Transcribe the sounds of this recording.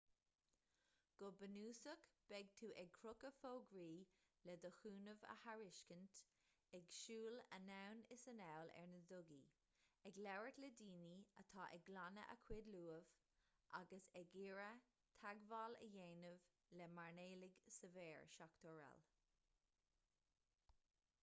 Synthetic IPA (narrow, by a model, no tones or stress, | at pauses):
ɡ̥ʊbənuːsəkb̥ɛɡ̚t̪ʰuːʔɛɡ̚kʰɹɾʊkəfoːɡɹiːlɛd̪əxuːnəvə̰haɹɪʃkənt | ɛɡʃuːlə̰nawnɪsənɛwlɛ̰ɹnədʊɡi | ɛɡlɛwɹət̪lɛdiːniət̪ʰɑːʔɛɡlanə̰ʔə̰kʰwɪd̪luːəv̥ | ʔaɡəsɛɡɪɹə | t̪ʰaɡvalə̰jeːnəv | lɛmaɹneːlɪɡsəvɛːɹʃakt̪ʰɔɹɛ̰l